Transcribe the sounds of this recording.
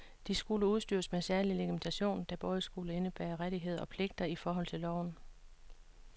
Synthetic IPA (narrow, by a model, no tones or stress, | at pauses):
d̥isɡ̥uləuð̞ˠsd̥yːɐsmesæɐlileɡ̥iment͡sʰæɕo̝̰ːnd̥ɑ̈b̥ɔ̽ːð̞ˠsɡ̥uləe̝nəb̥æ̰ːɐʁaɾ̥iɦe̝ð̞̰ˠɐɒ̽pʰle̝ɡ̥̚d̥ɐifɒːɦɒ̽l̰t͡sʰe̝lːɒʊn̩